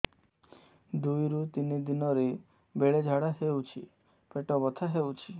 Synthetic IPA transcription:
d̪ujɾut̪inid̪inɔɾe | beɭed͡ʒʱaɽaɦewt͡ʃʰḭ | peʈɔbɔt̪ʰaɦewt͡ʃʰi

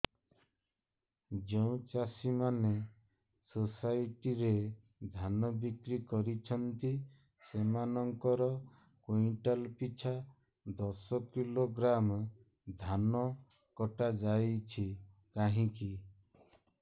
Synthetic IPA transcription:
d͡ʒeũt͡ʃasimane | sosajʈiɾe | d̪ʱanɔbikɾikɔɾit͡ʃʰɔnt̪i | semanɔŋkɔɾɔ | koiʈalpit͡ʃʰa | d̪ɔsɔkiloɡɾam | d̪ʱanɔ | kɔʈad͡ʒajt͡ʃʰi | kaɦĩki

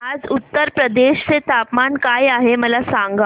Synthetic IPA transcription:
ad͡zut̪ːəɾpɾəd̪eɕt͡set̪apmankajaɦeməlasaŋɡa

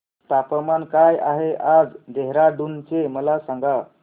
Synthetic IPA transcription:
t̪apəmankajaɦeʔad͡zd̪eɦɾaɖunt͡seməlasaŋɡa

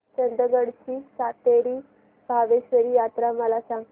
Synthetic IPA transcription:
t͡ɕənd̪ɾəɡəɽt͡ɕiːsat̪eɾiː | bʱaʋeɕʋəɾiːjat̪ɾaməlasãŋ

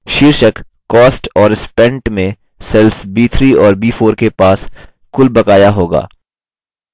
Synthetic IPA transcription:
ʃiːɾʃək | kːɔːsʈɔːɾɪspɛ̃ɳʈmẽ | sɛlsbiːt̪ʰɾiɔːɾbiːfʰoːɾkepaːs | kʊlbɐkaːjaɦoːɡa̰ː

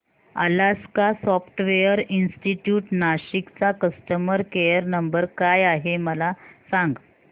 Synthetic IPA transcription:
ə̰laskasɔfʈʋejəɾinsʈiʈjuːʈnaɕikt͡sakəsʈəməɾkejəɾnəmbəɾkajaɦeməlasãŋɡ

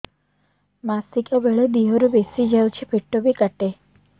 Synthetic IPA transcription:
masikɔɡəɭed̪iɦoɾubesid͡ʒəut͡ʃʰepʰiʈːobikəʈe

